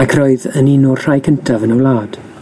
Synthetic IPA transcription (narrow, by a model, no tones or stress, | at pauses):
akʰroːɨðəninurr̥ajkʰəntʰavənɔlˠaːd̥